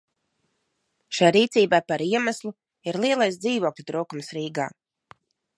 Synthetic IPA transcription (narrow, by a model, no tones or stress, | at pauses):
ʃajɾiːt̪siːbajpaɾiɛmaslˠu | iɾlˠiɛlˠajsd̪ziːvoɔklʲut̪ɾuːkumsɾiːɡa̰ː